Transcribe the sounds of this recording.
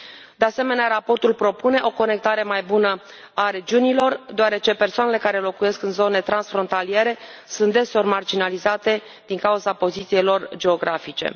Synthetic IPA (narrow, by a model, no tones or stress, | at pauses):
d̪ease̞me̞neaɾapo̞rt̪ulpɾo̞pune̞ʔo̞ko̞ne̞k̚t̪aɾe̞majbunə | aɾe̞d͡ʒiunilo̞rd̪oaɾe̞t͡ʃe̞pe̞rsoane̞le̞kaɾe̞lo̞kuje̞skɨnzo̞ne̞t̪ɾansfɾo̞nt̪alije̞ɾe̞ | sunt̪̚d̪e̞so̞rmard͡ʒinalizat̪e̞ | d̪̥iŋkauzapo̞zit̪sijejlo̞rd͡ʒe̞o̞ɡɾafit͡ʃe̞̰